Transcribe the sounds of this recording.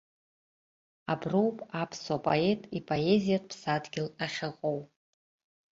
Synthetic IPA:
abruwpʼapʰsapʼo̰e̞tʼipʼoe̞zijatʼpʰsadɡʲɪlaχʲɪqʼow

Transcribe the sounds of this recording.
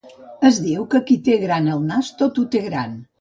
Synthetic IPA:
əzðiwkəkit̪eɣɾanəlˠnast̪ot̪ut̪eɣɾan

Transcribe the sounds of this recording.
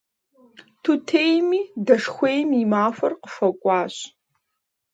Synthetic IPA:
tʰutʰeːjmiːdɐʂxʷejmimaːfɐrqəfɐkʷʼɑːɕ

